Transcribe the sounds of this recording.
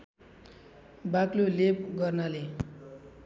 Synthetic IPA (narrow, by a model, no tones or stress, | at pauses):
baklolep̚ɡʌrnale